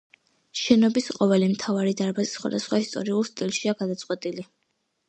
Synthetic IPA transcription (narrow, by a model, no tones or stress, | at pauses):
ʃɛnɔbisqʼɔvɛlimt̪ʰavaɾid̪aɾbazisχwa̰d̪asχwaist̪ʼɔ̰ɾiulˠst̪ʼilˠʃiaɡad̪at̪sʼqʼwɛt̪ʼili